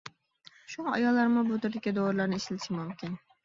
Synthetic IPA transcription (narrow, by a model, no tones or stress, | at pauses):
ʃʊŋɑɑ̰jɒlˠːaɾmʊbot̪ɪɾd̪ɪkʲad̪oɾlaɾnɪɪʃɪlɪʃɪmʊmkʲɪn